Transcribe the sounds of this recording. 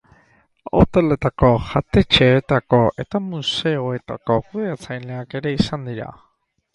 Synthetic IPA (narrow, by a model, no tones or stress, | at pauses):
o̰t̪elet̪akohat̪et͡ʃeet̪akoʔet̪amuseoet̪a̰kokuðeat͡sʰajneakeɾeisand̪iɾa̰